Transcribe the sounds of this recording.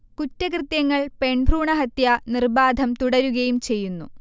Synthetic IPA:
kutːɐkrɨt̪jɐŋːɐɭpe̞ɳbʱruːɳɐɦɐt̪jɐnirbaːd̪ʱɐmt̪uɽɐɾuɣɐjumt͡ɕe̞jːunːṵ

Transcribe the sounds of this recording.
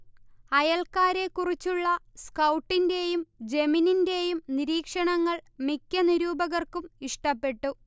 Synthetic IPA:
ɐjɐlkaːɾe̞kːurit͡ɕːuɭːɐskɐwʈːinde̞jumd͡ʑemininde̞jumniɾiːkʂɐɳɐŋːɐɭmikʲːɐniɾuːbɐɣɐrkumiʂʈɐpːe̞ʈːu

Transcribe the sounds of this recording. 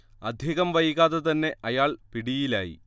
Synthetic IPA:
ɐd̪ʱjeːɣɐmʋɐjiɣaːðet̪ɐnːe̞ʔɐjaːɭpiɽijilaːjḭ

